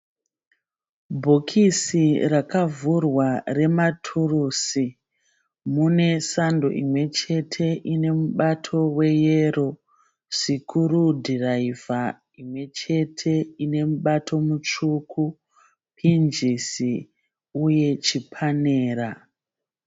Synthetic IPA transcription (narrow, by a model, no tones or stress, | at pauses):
bʱokʰisirakavurware̞matʰuruːsi | mune̞sando̞̰ʔḭmwe̞t͡ʃe̞tʰe̞ʔine̞muɓatʰo̞we̞je̞ro̞ | sikʰuɾudʱiraiva | imwe̞t͡ʃe̞tʰe̞ine̞muɓatʰo̞mut͡ʃukʰu | pʰind͡ʒisi | uje̞t͡ʃipʰane̞ːɾa